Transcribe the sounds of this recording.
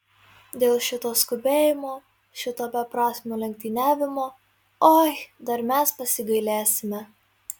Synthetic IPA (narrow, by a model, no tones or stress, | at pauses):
d̪ʲeːlˠʃʲɪt̪oːskʊbʲeːjɪmoː | ʃʲɪt̪oːbʲɛpɾɑːsʲmʲoːlʲɛŋʲk̚ʲt̪ʲɪnʲæːʋʲɪmoː | ɔjd̪ɐɾmʲæspɐsʲɪɡɐɪlʲæːsʲɪmʲɛ